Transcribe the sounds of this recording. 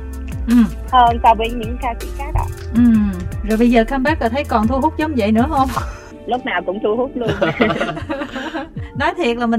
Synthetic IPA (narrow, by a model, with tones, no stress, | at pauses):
ʔɨ˨˩m | ʔəː˧nsaː˧˩wɓḭ˧˩ənɲɨ̰˧˥ŋkaː˧sḭ˧˥kaː˨˦ɗɔ̰˧˩ʔɨ˨˩zo˨˩jɓə˧jzəː˨˩kaː˧mɓaː˦˥k̚ləː˨˩t̪ʰə˨˦jkɔ˨˩nt̪ʰu˧ɦʊ˦˥k͡p̚zə˨˦wŋ͡mzə̰˧˨jnɨ̰˧˥əɦə˧wŋ͡m | lʊ˦˥k͡p̚naː˨˩wkʊ̰˧˥ŋ͡mt̪ʰu˧hu˦˥k͡p̚lu˧ən˧ | nɔ˨˦jt̪ʰi˨˩ət̚laː˨˩mï˨˩